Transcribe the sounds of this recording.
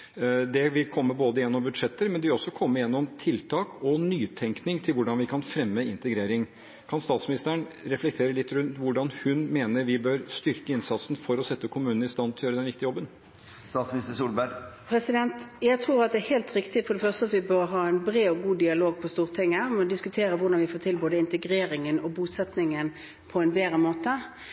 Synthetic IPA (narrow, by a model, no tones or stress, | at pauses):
d̪ɛʋɪkʰɔmːəboːd̪əɪjɛnːɔmbʉd̪ʂɛt̪ːəɾmɛnd̪ɛʋɪlɔsːɔkʰɔmːəjɛnːɔmt̪ʰɪlt̪ʰɑːkɔnyːt̪ʰɛŋknɪŋt̪ʰɪlʋʊɖɑnʋɪkʰɑnfɾɛmːəɪnt̪əɡɾeːɾɪŋ | kʰɑnst̪ɑːt̪smɪnɪst̪əəɳɾɛflɛk̚t̪ʰeːɾəlɪt̪ːɾʉnt̪ʋʊɖɑnhʉnmeːnəɾʋɪbøɾst̪ʏɾkəɪnsɑt̪sn̩fɔɾɔsɛt̪ːəkʰʊmʉːnn̩ɪst̪ɑnʰljøːɾd̪ɛnʋɪk̚t̪ɪəjɔbːən | st̪ɑːt̪smnɪst̪əsuːlbæɾpʰɾɛsɪd̪ɛnt̪jæɪt̪ʰʁuːɾɑt̪̚d̪ɛæheːlt̪ɾɪkt̪ɪfɔd̪ɛfœʁst̪əɑt̪ʋɪbœɾɦɑːɛnbɾeːɔɡuːd̪ɪɑloːɡ̚pʰɔst̪uːʁt̪ʰɪŋːəmɛɔd̪ɪskʉt̪ʰeːɾəʋʊɾɖɑnʋɪfoːt̪ʰɪlboːd̪əɪnt̪əɡɾeːɾɪŋənɔbuːsɛt̪nɪŋən | pʰɔɛnbeːɾəmoːt̪ə